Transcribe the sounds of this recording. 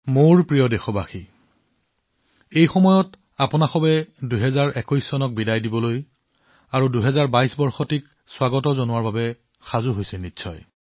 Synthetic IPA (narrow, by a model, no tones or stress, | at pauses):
moɹpɹijɔdɛxɔbaxi | ejxɔmɔjɔt | apʊnaxɔbɛdujɦɛzaɹʔɛkɔjsːɔnɔk̚bidajdibɔloj | aɹuduɦɛzaɹbajsbɔɹxɔtik | swaɡɔtɔzonʊwaɹbabɛ | xazuɦojsɛnitːsʰɔj